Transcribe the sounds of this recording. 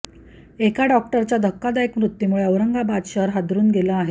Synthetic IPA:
ekaɖɔk̚ʈəɾt͡ɕad̪ʱəkːad̪ajekmɾut̪ːjimuɭeəʋɾəŋɡabad̪ɕəɾɦad̪ɾuːnɡʱelaːɦe

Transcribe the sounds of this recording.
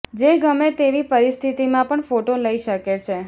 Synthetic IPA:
d͡ʒeɡəmet̪eʋipəɾist̪ʰit̪imãpəɳfoʈoləiʃəket͡ʃʰe

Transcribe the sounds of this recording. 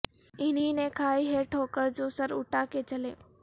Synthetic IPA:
ɪn̤inɛ̃kʰaːiɦeɾʈʰoːkəɾd͡ʑoːsɐɾʊʈakʰet͡ɕɐleː

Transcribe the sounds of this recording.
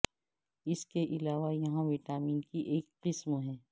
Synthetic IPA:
ɪskeʔɪlaːʋajɐɦãʋɪʈaːmiːnkiʔeːkqɪsmɦɛ̃ː

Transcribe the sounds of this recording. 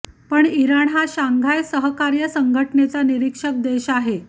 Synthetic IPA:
pəɳiɾaɳɦaɕaŋɡʱajsəɦəkaɾjəsəŋɡʱəʈnet͡saniɾikʂək̚d̪eɕaɦe

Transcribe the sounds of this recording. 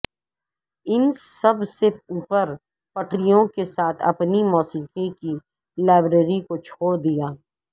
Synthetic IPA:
ɪnsɐbseuːpəɾ | pɐʈɾijõkesaːt̪ʰɐ̰pnimɔːsiːkẽki | laːbɾeːɾikot͡ʃʰoːɾd̪ijaː

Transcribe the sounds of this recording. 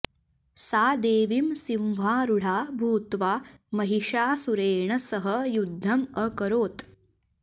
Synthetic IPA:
saːd̪eːʋimsĩwʋ̤aːɾuɽ̤aːbʱuːt̪ʋaːmɐɦiʂaːsuɾeːɳɐsɐɦɐjud̪ʱːɐmɐkɐɾoːt̪

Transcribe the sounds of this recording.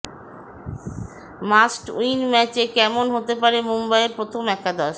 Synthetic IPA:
masʈṵinmɛt͡ɕekɛmonɦot̪epaɾemumbaeɾpɾot̪ʰomɛkad̪aʃ

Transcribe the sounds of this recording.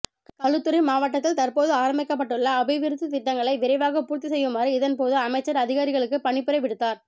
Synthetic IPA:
kɐɭɯt̪ːɯɾɐmaːʋɐʈːɐt̪̬ːɪlt̪ɐɾpoːðɯaːɾɐmbɪkːɐpːɐʈːɯɭːɐːbɐɪʋɪɾɯt̪ːɯt̪ɪʈːɐŋɡɐɭɐɪʋɪɾɐɪʋaːɣɐpuːɾt̪ːisɛjːɯmaːɾiɪðɐnpoːðɯɐmɐɪt͡ʃːɐɾɐðɪɣaːɾɪɣɐɭɯkːɯpɐɳɪpːɪɾɐɪʋɪɽɯt̪ːaːɾ

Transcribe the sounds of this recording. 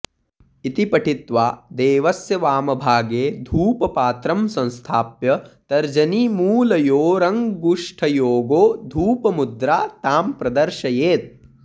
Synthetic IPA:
it̪ipɐʈʰit̪ʋaːd̪eːʋɐsjɐʋaːmɐbʱaːɡeːd̪ʱuːpɐpaːt̪ɾɐmsɐ̃nst̪ʰaːpjɐt̪ɐɾd͡ʒɐnimuːlɐjoːɾɐŋɡuʂʈʰɐjoːɡoːd̪ʱuːpɐmud̪ɾaːt̪aːmpɾɐd̪ɐɾʃɐjeːt̪̚

